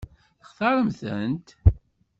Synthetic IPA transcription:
əχθɑɾˤəmθənt̪

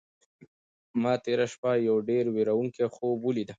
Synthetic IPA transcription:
mɑt̪eɾaʃpajawɖeɾweɾawuŋkexobulid̪a

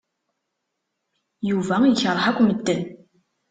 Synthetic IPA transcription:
juvæiçəɾˤħakʷːməd̪ːən

